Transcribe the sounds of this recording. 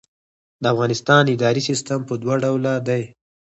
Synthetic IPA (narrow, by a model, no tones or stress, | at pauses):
d̪əafɣɑnɪst̪ɑnɪd̪ɑɾisist̪ampəd̪wɑɖawlad̪aj